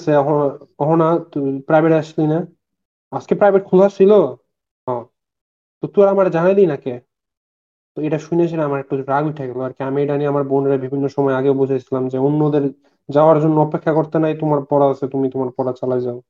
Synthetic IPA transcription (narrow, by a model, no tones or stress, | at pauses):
sʰeɔɦoɔɦonapɾajbʱeʈaʃlina | ad͡ʑkepɾajbʱeʈ̚kʰud̪ʱat͡ɕʰilo | ɦɔ̃ | t̪ot̪uaɾamaɾd͡ʑanajd̪inake | t̪oeʈaʃunet͡ɕʰeʈaamaɾek̚ʈuoɾaɡiʈʰaɡɛloaɾkiamieɾaniamaɾbonɖeɾabibʱinːoʃɔmɔeaɡewbud͡ʑʱajt͡ɕʰilamd͡ʑeonːod̪eɾ | d͡ʑaoaɾd͡ʑonːoɔpekʰːakoɾt̪enajt̪omaɾpɔɾaasʰet̪umit̪omaɾpɔɾat͡ɕalajd͡ʑao